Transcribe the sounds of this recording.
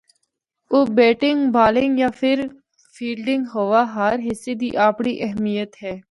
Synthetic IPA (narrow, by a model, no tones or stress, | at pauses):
oːbɛːʈɪ̃ŋɡbaːlɪ̃ŋɡjaːpʰɪɾ | fʰiːlɖɪ̃ŋɡɦoːʋaɦəɾɦɪsːed̪iːʔaːpɽiʔɛɦmijət̪ɦɛː